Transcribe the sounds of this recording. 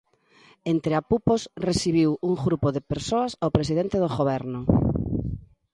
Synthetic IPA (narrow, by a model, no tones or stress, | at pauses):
ent̪ɾɪapuposresiβ̞iwuŋɣɾupoðepeɾsoɐsaopɾes̬iðent̪eðoɣoβɛɾnʊ